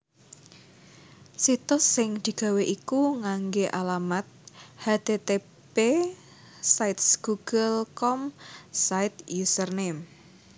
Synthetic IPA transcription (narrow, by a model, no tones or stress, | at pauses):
sit̪ʊsːɪŋd̪̥i̤ɡ̥a̤weʔikuŋaŋɡeʔalamat̪̚had̪et̪e | pe | saɪt̪sɡ̥uɡ̥əlkɔmsaɪt̪jusərnem